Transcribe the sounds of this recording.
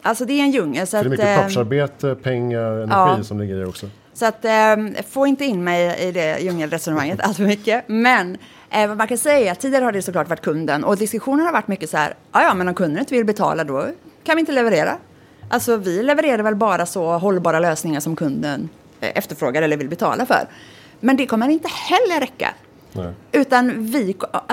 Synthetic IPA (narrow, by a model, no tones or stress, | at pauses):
ʔalsɔd̪ɛæɛnjɵŋːəlsɔat̪maɾbeːt̪əpʰɛŋːaɾɛnɑːiːsɔmlɪɡːəɾaɾɔksɔ | sɔat̪foːɪnt̪əɪnːmɛjɪ̰d̪ɛjɵŋːəlɾɛsɔnəmaŋːət̪ʰa̰lt̪fœɾmʏkːəmɛn | vamankʰansɛjːaɛɾɾat̪ʰːid̪ɪaɾəhaɖɛsɔklɑːʈvaʈ̚ːkʰɵnd̪ənɔ̰d̪ɪskɵɧuːnənhaɾvaʈːmʏkːəsahæ̰ɾɑːjɑːmɛnɔmkʰɵnd̪ənɪnt̪əvɪlbɛt̪ʰɑ̰ːlad̪ɔkʰanvɪɪnt̪əlɛvəɾeːɾa̰ | ʔalsɔvɪlɛvəɾeːɾadɾvɛlbɑːɾasɔɦɔlːbɑːɾaløːsnɪŋaʂɔmkʰɵnd̪ən | ɛ̰ft̪əɾfɾoːɡaɾɛlːəɾvɪlbɛt̪ʰɑ̰ːlafœ̰ɾ | mɛnd̪ɛkʰɔmːəɾɪnt̪əhɛlːəɾɾɛkːa̰ | ʉ̟ːt̪anvɪ